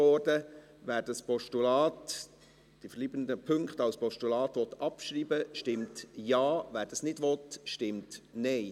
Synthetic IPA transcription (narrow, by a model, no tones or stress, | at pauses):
ɔːɾdə | ʋæːɾdɑspɔʃtulɑːt | d̥ifəɾliːbəndəpʰʏŋkχtɑlspɔʃtulɑːt̪ʋɔt̪ɑpʃɾiːbəʃtɪmtjɑːʋæːɾd̥ɑsnɪdʋɔtʃtɪmtnɛɪ